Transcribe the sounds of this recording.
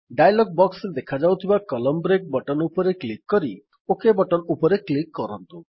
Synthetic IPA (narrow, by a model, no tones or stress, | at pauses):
ɖajlɔɡ̚bɔksɾed̪ekʰad͡ʒawt̪ʰibakɔlɔmbɾek̚bɔʈɔnupɔɾeklikːɔɾi | okebɔʈɔnupɔɾeklikːɔɾɔnt̪u